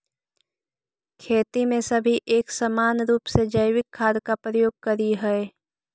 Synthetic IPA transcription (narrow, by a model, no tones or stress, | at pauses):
kʰeːt̪imẽsɐbʱiʔeːksɐmaːnɾuːpsed͡ʒəɪwɪkʰːaːd̪kapɾəjoːɡ̚kɐɾiɦɛe